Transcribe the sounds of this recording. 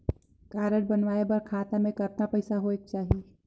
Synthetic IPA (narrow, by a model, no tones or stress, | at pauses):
kaːɾəɽ̚bɐnʋaːebɐɾkʰaːt̪amẽkɐɾt̪apɐɪsaɦoeːk̚t͡ʃaːɦie